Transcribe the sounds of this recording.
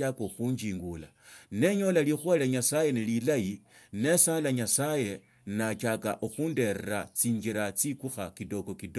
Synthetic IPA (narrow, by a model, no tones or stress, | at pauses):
akoxuːɲd͡ʒiːŋɡula | ne̞ɲo̞lalixwalaɲasaje̞nelilajine̞saːlaɲasaje̞ | nat͡ʃaka̰ʔuxunde̞ɾeɾat͡siːɲd͡ʒiɾat͡sikuxakido̞kokido